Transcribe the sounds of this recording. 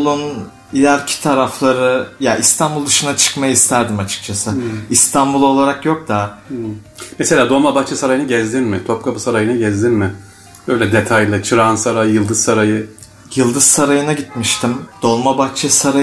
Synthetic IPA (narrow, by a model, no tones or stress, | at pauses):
lˠun | ilʲæɾcʰi̥t̪ʰaɾaflˠaɾɯjaʔist̪ʰanbulˠd̪ɯʃɯnat͡ʃʰɯ̥kmajaist̪ʰæɾd̪imat͡ʃʰɯ̥k̚t͡ʃʰasɯist̪ʰanbulˠo̞lˠaɾakjo̞k̚d̪a | mese̞lʲaːd̪o̞lˠmabaxt͡ʃʰɛsaɾajɯnɯɟɛzd̪inmɪt̪ʰop̚kʰabɯsaɾajɯnaɟɛzd̪inmɪ | b̥ø̞jlʲɛd̪et̪ʰajlˠɯt͡ʃʰɯɾansaɾajjɯlˠd̪ɯzsaɾajɯ | jɯlˠd̪ɯzsaɾajɯnaɟit̪miʃt̪ʰimd̪̥o̞lˠmabaxt͡ʃʰɛsaɾa